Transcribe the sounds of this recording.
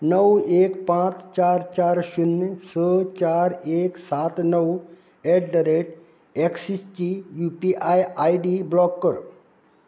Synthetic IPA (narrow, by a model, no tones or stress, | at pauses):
nəwekpãt͡st͡ɕaɾt͡ɕaɾɕunːsət͡ɕaɾeksat̪nəw | eʈɖəɾeʈ | eksist͡ɕijupiʔajajɖiblɔkːəɾ